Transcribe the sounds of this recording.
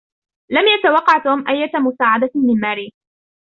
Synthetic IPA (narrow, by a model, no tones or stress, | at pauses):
lamjat̪awɑqːɑʕt̪oːmʔajːamʊsaːʕad̪amɪnmaːɾiː